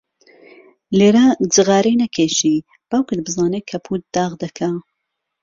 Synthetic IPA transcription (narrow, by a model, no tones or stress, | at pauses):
leːɾɐd͡ʒɨɣɑːɾinɐkʰeːʃiː | b̥ɐwkʰɨd̪̚bɨzaːneːkʰɐpʰuːt̪̚d̪ɑːʁd̪ɐkʰa